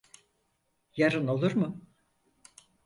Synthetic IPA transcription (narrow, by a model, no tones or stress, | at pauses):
jaɾɯno̞lˠuɾmʊ